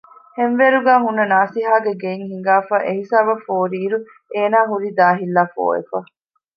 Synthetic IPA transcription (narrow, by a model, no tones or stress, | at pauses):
henʋeɾuɡaːɦunːɐnaːsiɦaːɡeɡeiŋɦiŋ̆ɡaːfaːʔeɦisaːbɐfoːɾiːɾu | eːnaːɦuɾid̪aːɦilːaːfo̰ːḛfa